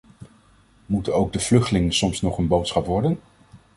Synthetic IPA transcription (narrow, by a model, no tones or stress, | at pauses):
mutənowɡ̚dəv̥lɵχtəlɪŋənsɔmsnɔχənbowtsχɑpʋɔɹdən